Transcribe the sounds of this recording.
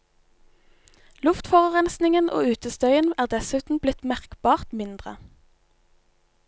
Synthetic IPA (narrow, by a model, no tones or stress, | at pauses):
lʉft̪fɔʁʁɛnsnɪŋənʔo̰ːʉːt̪əst̪œʏənæːʁd̪ɛsʉːt̪n̩blɪt̪mæʁkb̥ɑːʁt̪mɪnd̪ʁə̰